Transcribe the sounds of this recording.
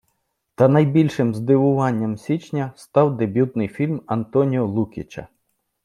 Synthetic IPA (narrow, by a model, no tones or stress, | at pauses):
t̪ɐnɐjbʲilʲʃɪmzd̪ɪʋʊʋɑnʲːɐmsʲit͡ʃnʲɐst̪ɑwd̪ebʲjut̪nɪjfʲilʲmɐnt̪ɔnʲiɔlˠukʲɪt͡ʃɐ̰